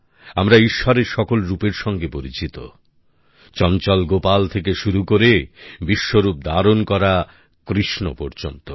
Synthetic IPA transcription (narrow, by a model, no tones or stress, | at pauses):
amɾaiʃːɔɾeɾʃɔkolɾupeɾʃɔŋɡepoɾit͡ɕit̪o̰ | t͡ɕɔnt͡ɕɔlɡopalt̪ʰekeʃuɾukoɾebiʃːoɾup̚d̪aɾonkɔɾa | kɾiʃno̰pɔɾd͡ʑont̪o